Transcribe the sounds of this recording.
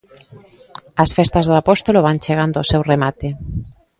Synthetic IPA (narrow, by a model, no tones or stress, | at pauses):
ɐsfest̪azðoapɔst̪oloβ̞ant͡ʃeɣ̞and̪oosewremat̪e